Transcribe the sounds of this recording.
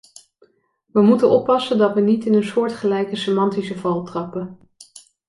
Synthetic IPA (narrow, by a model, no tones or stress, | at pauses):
ʋəmutənʔɔpːɑsəndɑtʋənitɪnənsʊːɹtχəlɛjkəsemɑntisəvɑlˠtrɑpə